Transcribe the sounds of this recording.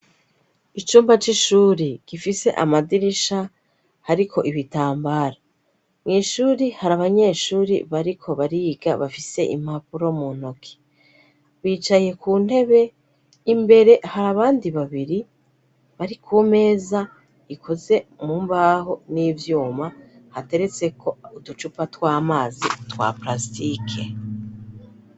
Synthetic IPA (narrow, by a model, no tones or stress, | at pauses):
it͡ʃuːmbat͡ʃiʃuːɾiɡ̥ifise̞ʔa̰madiɾiʃa | haɾikʰo̞ʔiβitaːmbaːɾa | ŋiːʃuːɾihaɾaβaɲe̞ʃuːɾḭβaɾikʰo̞βaɾiɡa̰βafise̞ʔḭm̥hapuɾo̞muno̞kʰe̥ | βiːt͡ʃaje̞kʰuːn̥he̞βe̞ | imbe̞ɾe̞haɾaβaːndiβaβiɾi | βaɾikʰuːme̞ːza | ikʰo̞ze̞mumbaːɦo̞niːvjuːmahate̞ɾe̞t͡se̞kʰo̞utut͡ʃupatwaːmaːzitwa̰pɾastikʰe